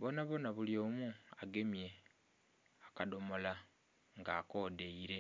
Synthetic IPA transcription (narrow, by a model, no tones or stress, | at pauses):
βonaβonaβuljoːmuaɡe̞mje̞ | akado̞mo̞la | ŋɡaːko̞ːdeiɾe̞